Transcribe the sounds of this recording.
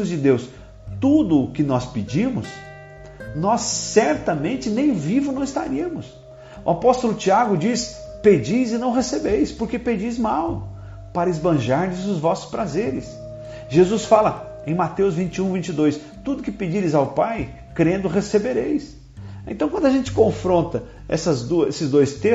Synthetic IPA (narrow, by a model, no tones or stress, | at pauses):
zd͡ʒɪd̪ews | t̪ud̪ʊkɪnɔspɪd͡ʒĩmʊs | nɔsːɛɾt̪ɐmẽnt͡ʃɪnẽj̃vivʊnɐ̃w̃ɪst̪a̰ɾiɐmʊs | ʊapɔst̪ʊlʊt͡ʃiaɡʊd͡ʒisped͡ʒijzɪnɐ̃w̃ɦesebejspoɾkeped͡ʒijzmaw | paɾɐɪzbɐ̃ʒaɾʎɪzʊzvɔsʊ̥spɾazeɾɪs | ʒezusfalɐ | ẽj̃mat̪ewzvĩnt͡ʃɪũvĩnt͡ʃɪd̪ojs | t̪ud̪ʊkɪped͡ʒiɾɪzawpaj | kɾẽnd̪ʊɦesebeɾejs | ḛ̃t̪ɐ̃w̃kwɐ̃nd̪ʊaʒẽnt͡ʃɪ̥kõfɾõnt̪ɐ | ɛ̰sɐzd̪uesɪzd̪ojst̪e